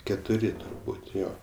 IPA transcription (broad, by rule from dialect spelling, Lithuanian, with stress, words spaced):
kʲɛtʊˈrʲɪ tʊrˈbuːtʲ ˈjoː